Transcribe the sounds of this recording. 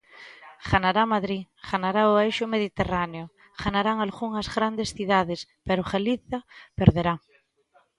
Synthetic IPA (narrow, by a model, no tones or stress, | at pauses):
ɣanaɾamaðɾi | ɣ̥anaɾaoajʃʊmeðit̪eraneo | ɣanaɾaŋalɣuŋazɣɾand̪esθiðaðespeɾoxeliθapeɾðeɾa